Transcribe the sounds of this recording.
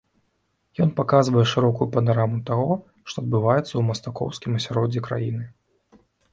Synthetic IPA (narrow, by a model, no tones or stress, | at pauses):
jɔnpakazvɐjɛʂɨɾɔkujupɐnaɾamut̪aɣɔ | ʂt̪ɔɐd̪̚bɨvajɛt̪sːɐwmɐst̪akɔ̰wskʲimɐsʲaɾɔd͡zʲɛkɾa̰jinɨ